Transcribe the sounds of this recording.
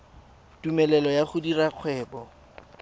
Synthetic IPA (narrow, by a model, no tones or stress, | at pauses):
tumɛlɛlɔjaχʊdiraq͡χʰwɛːbɔ